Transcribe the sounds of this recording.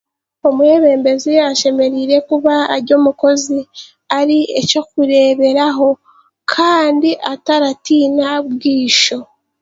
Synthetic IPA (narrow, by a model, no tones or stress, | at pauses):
o̞muwe̞βe̞ːmbe̞ziaʃe̞me̞ɾiːɾe̞kuβa̰ːɾɟo̞ːmuko̞zi | aɾieco̞kuɾe̞ːβe̞ɾaɦo̞ | kʰaːndiʔataɾatiːnaβɡiːʃo̞